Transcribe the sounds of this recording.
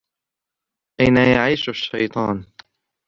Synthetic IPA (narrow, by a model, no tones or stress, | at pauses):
ʔajnajaʕiːʃaʃːajt̪ˤɑ̰ːn